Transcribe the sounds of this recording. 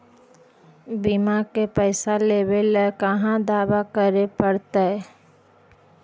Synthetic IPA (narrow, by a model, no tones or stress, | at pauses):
bimakepɛɪsaleːwelkəɦãd̪aːʋakəɾepəɽt̪aɛ